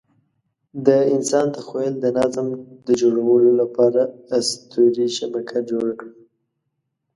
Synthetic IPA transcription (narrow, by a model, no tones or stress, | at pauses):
d̪əɪnsɑnd̪əxojəld̪ənazmd̪əd͡ʒoɽawəlolapɑɾaːst̪uɾiʃabakʰad͡ʒoɽakɽi